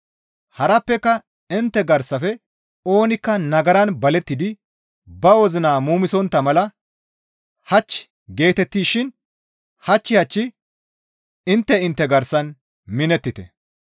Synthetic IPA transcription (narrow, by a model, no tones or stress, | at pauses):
hɐɾɐpːɛkːɐ | ɪnt̪ːɛɡɐɾsɐfɛ | o̞ːnɪkːɐnɐɡɐɾɐnbɐlɛt̪ːɪd̪ɪ | bɐwɔzɪnaːmuːmɪsɔnt̪ːɐmɐlɐ | hɐt͡ʃː | ɡe̞ːt̪ɛt̪ːiːʃɪn | hɐt͡ʃːɪhɐt͡ʃːɪ | ɪnt̪ːɛɪnt̪ːɛɡɐɾsɐn | mɪnɛt̪ːɪt̪ɛ̰